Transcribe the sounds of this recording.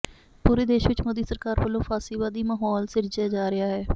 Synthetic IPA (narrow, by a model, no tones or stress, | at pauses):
puːɾeːd̪eːʃʋɪt͡ʃmoːd̪iːsəɾkaːɾpəːlõːfʰaːsiːbaːd̪iːmaːɦɔːlsɪɾd͡ʒeːd͡ʒaːɾɪaːɦɛː